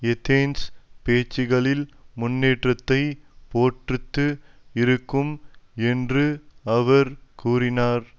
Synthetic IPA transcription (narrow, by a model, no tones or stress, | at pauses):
ɛt̪ʰeːnspeːt͡ʃːɪɣɐɭɪlmʊnːeːʈrɐt̪ːɐɪpoːʈrɯt̪ːɯɪɾɯkːɯmɛndrɯɐʋɐɾkuːrɪnaːɾ